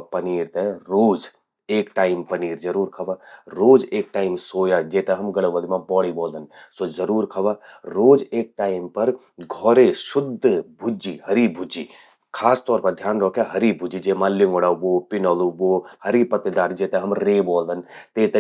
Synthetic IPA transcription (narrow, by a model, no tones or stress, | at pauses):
pɐniːɾt̪eɾoːd͡ʒ | eːkʈaːɪmpɐniːɾd͡ʒɐɾuːɾkʰɐbaɾoːd͡ʒeːk̚ʈaːɪmsoːjad͡ʒeːt̪eɦɐmɡɐɽəʋəlimãbɔːɽiboːld̪ənsozɐɾuːɾkʰɐbaɾoːd͡ʒeːk̚ʈaːɪmpɐɾ | ɡʱɔːɾeʃʊd̪ʱbʱʊd͡ʒihɐɾibʱʊd͡ʒi | kʰaːst̪ɔːɾpɐɾd̪ʱjaːnɾɔːkaɦɐɾibʱʊd͡ʒid͡ʒeːmãlɪŋɡoɽaboːpɪnɔːlubohɐɾipɐt̪ed̪aːɾd͡ʒeːt̪ẽɦɐmɾeːboːld̪ənt̪eːt̪e